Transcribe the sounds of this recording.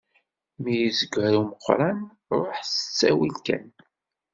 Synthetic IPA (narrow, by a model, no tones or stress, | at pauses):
mijizəɡʷɾuməqʷːɾˤɑn | ɾˤoħsə̥t͡sːæwilkæ̰n